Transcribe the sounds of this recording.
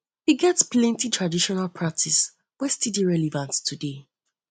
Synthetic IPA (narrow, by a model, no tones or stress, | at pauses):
hiɡɛtsplɛ̃ntitʰɹadiʃɔnalpʰɹak̚tʰis | wɛstidiɹɛlɛvãnttʰude